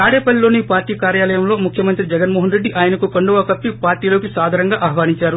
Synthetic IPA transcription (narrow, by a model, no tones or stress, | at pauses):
aːɽeːpɐllo̞ːnipaːɾʈiːkaːɾjaːlɐjɐmlo̞ːmukʰjɐmɐnt̪ɾid͡ʒɛɡɐnmoːɦɐnɾeɖːiʔaːjɐnɐkukɐɳɖuʋaːkɐpːipaːɾʈiːlo̞ːkisaːd̪ʱaːɾɐŋɡaːʔɐɦɐʋaːniɲt͡ʃaːɾu